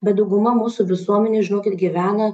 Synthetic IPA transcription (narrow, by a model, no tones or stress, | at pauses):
bʲɛt̪̚d̪ɐʊɡʊmɐmuːsʊʋʲɪsuɔmʲɛnʲeːʒʲɪnoːkʲɪt̪ɡʲiʋʲæːnɐ